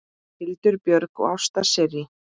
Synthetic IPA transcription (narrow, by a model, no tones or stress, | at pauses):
hɪlt̪ʏɾpjœɾkɔ̰awst̪asɛɾɪ